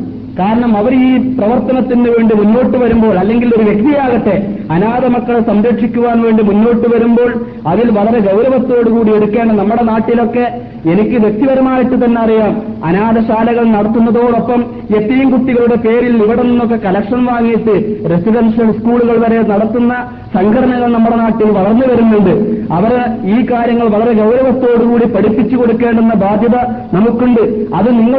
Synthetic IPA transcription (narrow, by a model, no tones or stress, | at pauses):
kaːɾɐɳɐmɐʋɐɾiːprɐʋɐrt̪ːɐnɐt̪ːinːɨʋeːɳɖimunːo̞ːʈːɨʋɐɾumbo̞ːɭɐlːe̞ŋɡilo̞ɾuʋe̞kt̪ijaːɣɐʈːe̞ɐnaːd̪ɐmɐkːɐɭesɐmɾɐkʂikʲːuʋaːnʋe̞ːɳɖimunːo̞ːʈːɨʋɐɾumbo̞ːɭ | ɐðilʋɐɭɐɾe̞ɡɐwɾɐʋɐt̪ːo̞ːɽukuːɽieɽukːeːɳɖɐnɐmːuɽe̞naːʈːilo̞kːe̞ | e̞nikʲːɨʋe̞k̚t̪iʋɐɾɐmaːjiʈːɨt̪ɐnːe̞ɐrijaːm | ɐ̰naːd̪ɐɕaːlɐɣɐɭnɐɽɐt̪ːunːɐðo̞ːɽo̞pːɐm | et̪ːijɐmkuʈ̪ːiɣɐɭuɽe̞pe̞ːɾiliʋiɽe̞ninːokːe̞kɐlɐkʂɐnʋaːŋːijiʈ̪ːɨre̞siɖɐnʂɐlskuːɭuɣɐɭʋɐɾe̞nɐɽɐt̪ːunːɐ | sɐŋɡʰʱɐɾɐɳɐŋɣːɐɭnɐmːuɽe̞naːʈːilʋɐɭɐrnːɨʋɐɾunːuɳɖɨɐʋɐriːkaːɾjɐŋːɐɭʋɐɭɐɾeɡɐwɾɐʋɐt̪ːo̞ːɽukuːɽipɐɽipːit͡ɕːukoɽukːe̞ːɳɖenːɐbʱaːd̪ʱjɐðɐ | nɐmukːuɳɖɨɐðɨniŋːɐ